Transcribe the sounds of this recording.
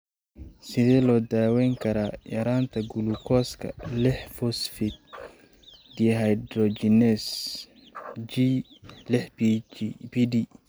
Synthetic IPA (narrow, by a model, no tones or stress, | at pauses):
sɪðɛːlɔːd̪aːwɛŋkʰɐɾaːjɐ̰ɾaːnt̪ʰɐɡʊlʊkʰɔːskʰɐ̰lɪħfɔsfɪd̪̚ | d̪iɦajd̪ɾɔd͡ʒinɛs | d͡ʒilɪħ | biɖi